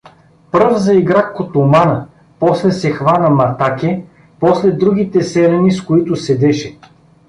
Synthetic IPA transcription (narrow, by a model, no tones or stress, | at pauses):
pɾɤvzɐiɡɾakkːot̪ʊmanə | pɔslɛsɛxvanəmɐt̪akʲɛ | pɔslɛd̪ɾuɡ̟ʲit̪ɛsɛlɛniskoit̪ʊsɛd̪ɛʃɛ